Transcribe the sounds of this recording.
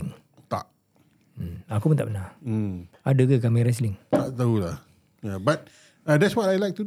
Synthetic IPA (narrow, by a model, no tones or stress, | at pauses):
ŋ | t̪a̰ʔ̩ | akumənt̪a̰ʔbəna | adəkək̬amiɾɛs̬lɪŋt̪aʔt̪aɦulah | jabat̚ | adɛtswɔtajlajk̚t̪u